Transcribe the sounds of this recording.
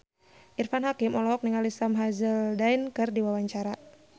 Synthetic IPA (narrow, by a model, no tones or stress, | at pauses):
ʔirfanɦakimɔlɔɦɔk̚niŋalisamɦazəldainkɨrdiwawaɲt͡ʃaɾa